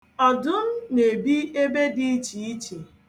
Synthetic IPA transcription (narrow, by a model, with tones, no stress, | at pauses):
ɔ˨dʊ˦n̩˦ne˨bi˦e˦be˦di˦t͡ʃi˨i˦t͡ʃi˨